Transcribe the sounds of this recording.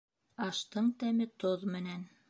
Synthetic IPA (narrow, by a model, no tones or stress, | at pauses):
ɑʃt̪ɤɴt̪æmɘt̪oðmɘ̆næn